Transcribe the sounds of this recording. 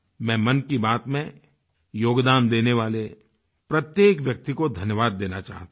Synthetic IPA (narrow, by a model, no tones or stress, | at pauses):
mɛ̃ːmɐnkibaːt̪mẽ | joːɡd̪aːnd̪eːneʋaːle | pɾɐt̪jeːkʋjɐk̚t̪ikod̪ʱɐnjəʋaːd̪ːeːnat͡ʃa̰ːɦt̪a